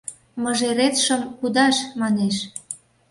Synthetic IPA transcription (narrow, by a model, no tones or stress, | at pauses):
məʒeɾet̪ʃə̆mkud̪ɑʃmɑneʃ